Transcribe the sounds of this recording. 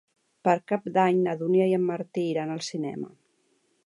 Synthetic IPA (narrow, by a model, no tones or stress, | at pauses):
pəɾkap̚d̪aɲnəðuniajəmːəɾt̪iːɾanəlˠsinɛ̰mə̰